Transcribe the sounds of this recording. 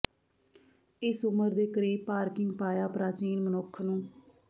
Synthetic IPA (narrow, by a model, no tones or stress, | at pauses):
ɪsʊməɾd̪eːkəɾeːpaːɾkɪŋɡpaːjaːpɾaːt͡ʃiːnmənokʰːnũː